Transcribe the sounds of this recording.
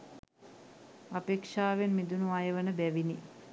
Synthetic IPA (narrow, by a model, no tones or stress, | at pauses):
apeːkʂaːʋenmid̪unuajəʋənəbæʋini